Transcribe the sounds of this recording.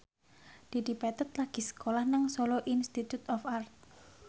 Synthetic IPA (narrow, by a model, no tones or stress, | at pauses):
d̪̥e̤d̪ipɛt̪ʊt̪̚laɡ̥i̤sə̥kolahnaŋsɔlɔʔinst̪it̪ut̪ɔfart̪̚